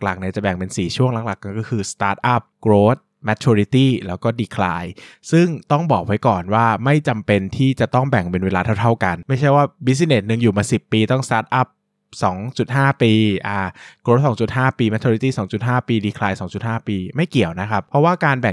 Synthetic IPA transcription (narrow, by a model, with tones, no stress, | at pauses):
k̚la˨˩k̚na˧˦˥t͡ɕa˨˩bɛ˨˩ŋpe˧nsiː˨˩t͡ɕʰu˥˩əŋla˨˦kla˨˩kːa˧nkɔː˥˩kʰɯː˧st̪aː˦˥t̪̚ʔa˦˥˩p̚kɾoː˦˥t̪̚ | mɛː˦˥t̚t͡ɕʰuː˧ɾi˦˥t̪iː˥˩lɛː˦˥wkɔː˥˩diː˧kʰlaː˧jsɯ˥˩ŋt̪ɔ˥˩ŋbɔː˨˩k̚wa˦˥jkɔː˨˩nwaː˥˩ma˥˩jt͡ɕa˧mpe˧nt̪ʰiː˥˩t͡ɕa˨˩t̪ɔ˥˩ŋbɛ˨˩ŋpe˧nweː˧laː˧t̪ʰa˥˩t̪ʰa˥˩wka˧nma˥˩jt͡ɕʰa˥˩jwaː˥˩bi˦˥s̬i˧˥ne˨˩t̪̚nɯ˧ŋjuː˨˩maː˧si˨˩pːiː˧t̪ɔ˥˩ŋst̪aː˦˥t̪̚ʔa˦˥˩p̚ | sɔː˩˦ŋt͡ɕu˨˩t̪̚haː˥˩piː˧ʔaː˨˧˩kɾoː˧˦˥t̪̚sɔː˩˦ŋt͡ɕu˨˩t̪̚ɦaː˥˩piː˧mɛ˧˥t̪ʰuː˧ɾi˦˥t̪iː˥˩sɔː˩˦ŋt͡ɕu˨˩t̪̚ɦaː˥˩piː˧diː˧kʰlaː˧jsɔː˩˦ŋt͡ɕu˨˩t̪̚haː˥˩piː˧ma˥˩jki˨˩əwna˦˥kʰa˦˥pʰːɾɔ˦˥waː˥˩kaː˧nbɛ˨˩ŋ